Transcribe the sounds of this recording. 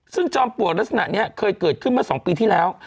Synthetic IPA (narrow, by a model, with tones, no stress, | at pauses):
sɨ˧˥ŋt͡ɕɔ˧mpu˨˩ək̚ɗə˦˥t̚sna̰ː˧˨ɲɛ˨˦˥kʰəː˧jkɨ˨˧˩ət̚kʰːməː˦˥sɔ˨˦wŋ͡mpi˧t̪ʰi˨˦˥lɛː˨˦w